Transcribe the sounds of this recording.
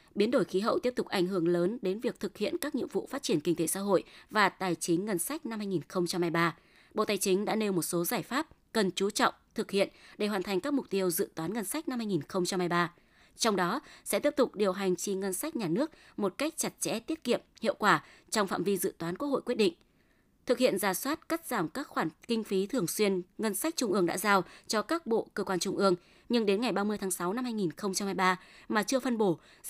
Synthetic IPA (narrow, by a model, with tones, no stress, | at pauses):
ɓi˨˦ənɗo˧˩jxi˨˦ɦə̰˧˨wt̪i˦˥əp̚t̪ʊ˨˩k͡p̚ʔa˧˩jŋ̟ɦɨ˧˩əŋləː˨˦nɗe˨˦nvi˨˩ək̚t̪ʰɨ˨˩k̚hḭ˧˨ənkaː˦˥k̚ɲḭ˧˨əŋvṵ˧˨faː˦˥t̚t͡ɕi˧˩ənkï˧ŋt̪e˨˦sa̰ː˧ɦo̰˧˨jvaː˨˩t̪aː˨˩jt͡ɕï˨˦ŋ̟ŋə˧nsa˦˥jk̟̚na˧mhaː˧jŋi˨˩nxə˧wŋ͡mt͡ɕa˧mha˧jɓaː˧ | ɓo̰˧˨t̪aː˨˩jt͡ɕï˨˦ŋ̟ɗa̰ː˧˥ne˧wmo˨˩t̚so˨˦zaː˧˩jfaː˦˥p̚kə˨˩nt͡ɕu˨˦t͡ɕɔ̰˧˨wŋ͡mt̪ʰɨ˨˩k̚hḭ˧˨ənɗe˧˩waː˨˩nt̪ʰa˨˩jŋ̟kaː˦˥k̚m˨˩k͡p̚t̪i˧əwzɨ̰˧˨t̪waː˨˦nŋə˧nsa˦˥k̟̚na˧mha˧jŋi˨˩nxə˧wŋ͡mt͡ɕa˧mha˧jɓaː˧ | t͡ɕɔ˧wŋ͡mɗɔ˨˦sɛ̰˧˥t̪i˦˥p̚t̪ʊ˨˩k͡p̚ɗi˨˩əwɦa˨˩jŋ̟t͡ɕi˧ŋə˧nsa˦˥jk̚ɲaː˨˩nɨ˦˥ək̚ | mo˨˩t̚ka˦˥jk̚t͡ɕa˨˩t̚t͡ɕɛ̰˧˥t̪i˦˥ət̚kḭ˧˨əmhḭ˧˨əwkwaː˧˩ | t͡ɕɔ˧wŋ͡mfa̰ː˧˨mvi˧zɨ̰˧˨t̪waː˨˦nku˦˥ho̰˧˨jkwət̚ɗḭ˧˨ŋ̟ | t̪ʰɨ˨˩k̚hḭ˧˨ənzaː˨˩swaː˦˥t̚ka˦˥t̚z̥aː˧˩mkaː˦˥k̚xwaː˧˩nkï˧ŋ̟fi˨˦t̪ʰɨ˨˩əŋswi˧ənŋə˧nsa˦˥jk̟̚t͡ɕʊ˧ŋ͡mʔɨ˧əŋɗa̰ː˧˥zaː˧wt͡ɕɔ˧kaː˦˥k̚ɓo̰˧˨kəː˧kwaː˧nt͡ɕʊ˧ŋ͡mʔɨ˧əŋ | ɲɨ˧ŋɗe˨˦nŋa˨˩jɓaː˧mɨ˧əjt̪ʰːŋsa˨˦wna˧mhaː˧jŋi˨˩nxə˧wŋ͡mt͡ɕa˧mhaː˧jɓaː˧maː˨˩t͡ɕɨ˧əfə˧nɓo˧˩